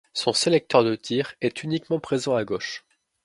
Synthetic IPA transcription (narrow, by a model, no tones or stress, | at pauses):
sɔ̃selɛk̚t̪œʁd̪ət̪ʰiʁɛt̪ynikmɑ̃pχezɑ̃aɡoʃ